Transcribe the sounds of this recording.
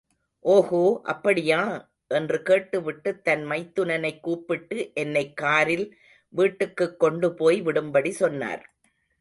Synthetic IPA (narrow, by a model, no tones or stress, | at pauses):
ʔoːhoːʔɐ̰pːɐɽɪjaː | ʔɛndrɯkeːʈːɯʋɪʈːɯt̪ːɐnmɐɪt̪ːɯnɐnɐɪkːuːpːɪʈːɯʔɛnːɐɪkːaːɾɪl | ʋiːʈːɯkːɯkːɔɳɖɯpoːjʋɪɽɯmbɐɽisɔnːa̰ːɾ